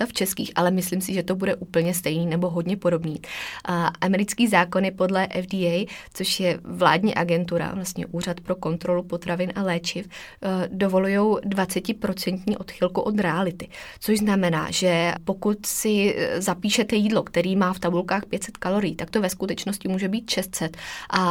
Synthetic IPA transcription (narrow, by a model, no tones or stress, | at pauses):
t̪aft͡ʃɛskḭːxʔalɛmɪsliːmsɪʒɛt̪o̞budɛʔuːpl̩ɲɛst̪ɛjniːnɛbo̞ɦo̞dɲɛpo̞do̞bniː | ʔamɛɾɪt͡skiːzaːko̞nɪpo̞dlɛʔɛfdiːɛjt͡so̞ʃjɛvla̰ːdɲḭːʔaɡɛnt̪uɾa̰vlast̪ɲɛ̰ʔuːr̝at̪pɾo̞ko̞nt̪ɾo̞lupo̞t̪ɾavɪnʔalɛːt͡ʃɪf | do̞vo̞lujo̞wdvat͡sɛcɪpɾo̞t͡sɛnt̪ɲiːʔo̞t̪xɪlkuʔo̞t̪ɾɛalɪt̪ɪt͡soʒznamɛna̰ːʒɛpo̞kut̪sɪzapiːʃɛt̪ɛjiːdlo̞kt̪ɛɾiːmaːft̪abulkaːxpjɛt̪sɛt̪kalo̞ɾɪjiːt̪ak̚t̪o̞vɛskut̪ɛt͡ʃno̞scɪmuːʒɛbiːt̪ʃɛst̪sɛt̪ʔa